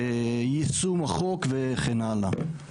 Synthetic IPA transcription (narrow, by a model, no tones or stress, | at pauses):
ejit͡sumaχokveχenala̰